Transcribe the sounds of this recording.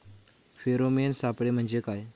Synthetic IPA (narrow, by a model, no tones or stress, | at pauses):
feɾomensapɽem̤əɳd͡ʑekaj